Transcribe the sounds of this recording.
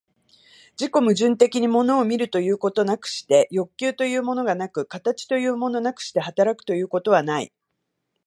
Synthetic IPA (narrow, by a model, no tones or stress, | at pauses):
d͡ʑiko̞mɯ̟ʑɨ̃nt̪e̞kʲiɲ̟imo̞no̞ːmʲiɾɯ̟t̪o̞jɯ̟ːko̞t̪o̞nakɯ̟̥ɕi̥t̪e̞jo̞kʲːɨːt̪o̞jɯ̟ːmo̞no̞ɡanakɯ̟kat̪at͡ɕi̥t̪o̞jɯ̟ːmo̞no̞nakɯ̟̥ɕi̥t̪e̞hat̪aɾakɯ̟̥t̪o̞jɯ̟ːko̞t̪o̞β̞anaḭ